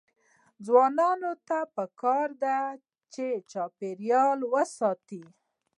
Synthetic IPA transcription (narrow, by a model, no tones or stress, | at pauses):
d͡zwɑnɑnot̪apəkɑɾd̪a | t͡ʃet͡ʃɑpeɾjɑlwəsɑt̪i